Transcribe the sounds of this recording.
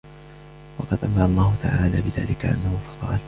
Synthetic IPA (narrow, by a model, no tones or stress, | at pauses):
wɑqɑd̪ʔamalˤːaːhʊt̪ʰaʕaːlaːbɪða̰ːlɪkaʔa̰nːahʊfɑ̥qɑ̰ːl